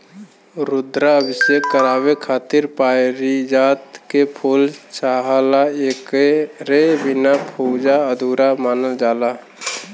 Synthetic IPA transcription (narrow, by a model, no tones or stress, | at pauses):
ɾʊd̪ɾaəbɪsjekːəɾaːwekʰaːt̪ɪɾpaːɾid͡ʒaːt̪kepʰoːlt͡ʃaːɦalaeːkeɾebɪnapʰod͡ʒaəd̪ʱuːɾamaːnəld͡ʒaːla